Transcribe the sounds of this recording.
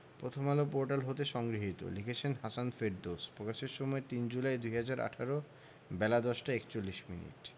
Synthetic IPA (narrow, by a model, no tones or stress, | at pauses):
pɾot̪ʰomalopoɾʈalɦot̪eʃɔŋɡɾiɦit̪o̰likʰet͡ɕʰenɦasanfeɖ̚d̪ospɾokaʃeɾʃɔmɔet̪ind͡ʑulaed̪uɦad͡ʑaɾa̰ʈʰaɾo | bɛlad̪ɔʃʈaekt͡ɕolːiʃmḭnḭʈ